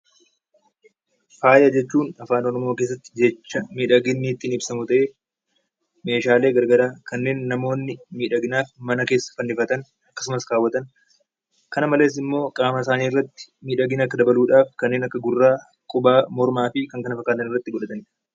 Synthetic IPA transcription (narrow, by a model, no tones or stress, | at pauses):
faːjɐd͡ʒɛt͡ʃːuːnɐfaːnɔnɔmoːke̞ːs̬ːɐt̪ːɪ̥d͡ʒɛt͡ʃːɐmiːᶑɐɡɪnːɪt̪ːiːnɪbsɐmʊt̪ɐʔeː | me̞ːʃaːle̞ːɡɐɾɡɐɾaːkɐnːe̞ːnːɐmo̞ːnːɪmiːᶑɐɡɪnaːfmɐnɐke̞ːsːɐ̥fɐnːɪfɐt̪ɐn | ɐkːɐ̥sʊmɐskaːwːɐt̪ɐn | kɐnɐmɐle̞ːs̬ɪmːo̞ːkʼaːmɐɪsaːniːɪrːɐt̪ːɪ̥miːᶑɐɡɪnɐkːɐd̪ɐbɐluːᶑaːfkɐnːeːnɐkːɐɡʊrːaː | kʼʊbaːmɔɾmaːfɪkɐŋkɐnɐfɐkːaːt̪ɐnɪrːɐt̪ːɪɡɔᶑɐt̪ɐn